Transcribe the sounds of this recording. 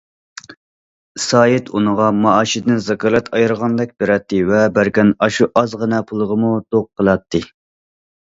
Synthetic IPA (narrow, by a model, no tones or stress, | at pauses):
sɑːjit̪unəʁɑmɑɑːʃid̪ɪnzɑkʰɑlˠɛt̪ʰɑjɾəʁɑnd̪ɛk̚ʲbeɾɛt̪ːɨvɛbæɾkʲɛnɑʃuʔɑzʁənɛpʰulˠəʁəmut̪oq̚qʰːəlˠɑt̪ʰːɨ